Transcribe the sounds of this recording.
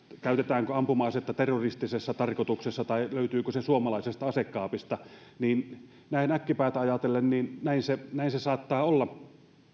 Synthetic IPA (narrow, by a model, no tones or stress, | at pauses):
kæˑyt̪et̪æːŋkøɑmpumɑːset̪ːɑt̪erːorist̪isesːɑt̪ɑrkot̪uksesːɑt̪ɑiløˑyt̪yːkøsesuomɑlɑˑisest̪ɑɑsekːˑɑːpist̪ɑniːn | næˑinækːipæˑːt̪æɑjɑt̪elːenniːnnæˑinsenæˑinsesɑːt̪ːɑːolːɑ